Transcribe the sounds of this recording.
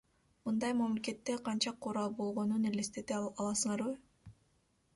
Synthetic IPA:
mɯnd̪ɑjmamlʲeke̞t̪ːeqʰɑnt͡ʃɑqʰoɾɑlˠbo̞lˠʁo̞nunelest̪et̪ɑlˠɑsɯɴɑɾβɯ

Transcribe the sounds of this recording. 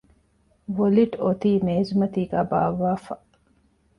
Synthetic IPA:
ʋoliʈot̪iːneːzumɐt̪iːɡaːba̰ːʋːaːfɐ

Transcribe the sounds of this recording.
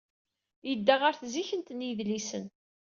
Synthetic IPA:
jəd̪ːaʁəɾθziçənt̪njəðlisən

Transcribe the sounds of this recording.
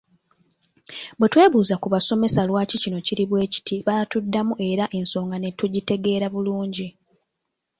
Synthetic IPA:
bwetwe̞ːβuːzakuβaso̞me̞salwaːcicino̞ciɾiβwe̞ːci̥tʰiβatudːamuʔe̞ɾaʔe̞nso̞ːŋɡane̞tuɟite̞ɡe̞ːɾaβuluːɲɟi

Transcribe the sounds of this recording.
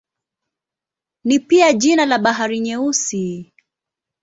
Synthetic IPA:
nipiaʄinalaɓaɦaɾiɲɛusi

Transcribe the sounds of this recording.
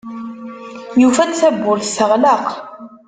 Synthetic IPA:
jufæθæbːʊɾθsəʁlɑq

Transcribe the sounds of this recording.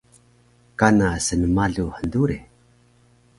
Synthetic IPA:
kanasənəmaɮuħənduɾe

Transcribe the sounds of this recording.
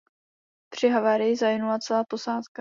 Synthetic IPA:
p̪r̝̥ɪɦavaːɾɪjɪzajɪnulat͡sɛlaːposaːt̪ka

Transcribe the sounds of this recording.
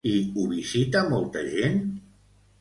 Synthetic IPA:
iuβizit̪amɔlˠt̪əʒen

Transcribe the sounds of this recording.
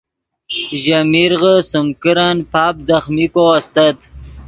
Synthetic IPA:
ʑamiɾɣəsəmkəɾanpɑːp̚zaxmikoast̪at̪

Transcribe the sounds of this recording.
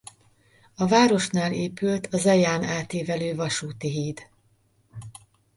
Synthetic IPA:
ɒvaːɾo̞ʃnaːleːpylt̪ʰɒzɛjaːnaːt̪eːvɛløːvɒʃuːt̪iɦiːd̪̥

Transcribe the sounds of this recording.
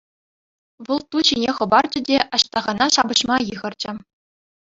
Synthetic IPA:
ʋɤlˠt̪uɕinʲeχɤ̆bɑrd͡ʑɘ̆dʲeʔɑɕt̪ɑʁɑnɑʂɑbɤ̆ɕmɑjɯʁɤ̆rd͡ʑɘ̆

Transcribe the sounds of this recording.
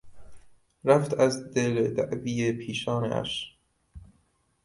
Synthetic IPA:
ɾæft̪ʰæzd̪eled̪æʔviːepʰiːʃɒːnḛʔæ̰ʃ

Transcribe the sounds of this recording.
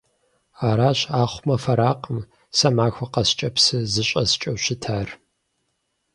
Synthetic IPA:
aːɾaːɕaːχʷmɐfɐɾaːqʼəm | sɐmaːxʷɐqɐst͡ʃʼɐpsɨzɨɕʼɐst͡ʃʼɐwɕɪtʰaːr

